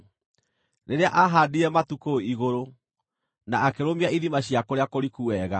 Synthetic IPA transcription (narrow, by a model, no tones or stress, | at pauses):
neɾeaʔaɦadiɾɛmatukoiɣoɾo | naːkeɾomiaiðimaɕjakoɾeakoɾikuɛɣa